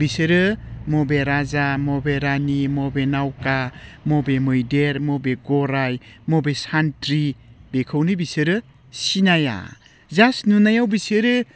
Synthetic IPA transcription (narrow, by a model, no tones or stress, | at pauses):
bisɯɾɯmɔbeɾazamɔbeɾanimɔbenawkamɔbemɯjdeɾmɔbeɡɔɾajmobesantɾibekʰɯwnibisɯɾɯ | sinaja̰ | zasnunajawbisɯɾɯ